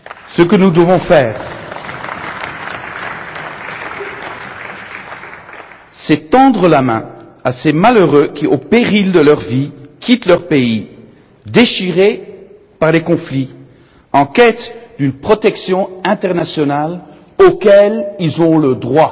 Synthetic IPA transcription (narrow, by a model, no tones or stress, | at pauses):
səkənud̪əvɔ̃fɛːʁ | sɛt̪ɑ̃d̪ʁəlamɛ̰̃ | asemaløʁøkʲiʔopeʁild̪əlœʁvikʰʲit̪lœʁpei | d̪eʃiʁe | paʁlekɔ̃fli | ɑ̃kʲɛt̪d̪ynpχɔt̪ɛksjɔ̃ɛ̃t̪ɛʁnasjɔnal | okʲɛlilzɔ̃ləd̪ʁwa